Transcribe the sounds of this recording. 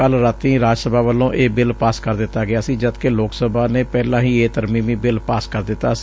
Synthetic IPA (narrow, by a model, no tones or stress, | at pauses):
əlɾat̪ĩːɾaːd͡ʒsəbaːʋəlːõːʔeːbɪlpaːskəɾd̪ɪt̪ːaːɡɪaːsĩːd͡ʒəd̪keloːksəbaːneːpɛːlãːɦĩːeːt̪əɾmiːmĩːbɪlpaːskəɾd̪ɪt̪ːaːs